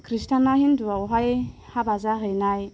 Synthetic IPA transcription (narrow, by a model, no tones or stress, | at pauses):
kʰɾistanahinduawɦajhabazaɦɯjnaj